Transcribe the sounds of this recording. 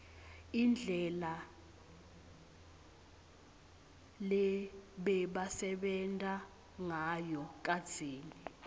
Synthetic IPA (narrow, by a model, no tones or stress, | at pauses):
ind͡ɮʱɛla | lɛɓɛɓasɛɓɛntʼa | ŋajɔk̬ʼad̥z̥ʱeːni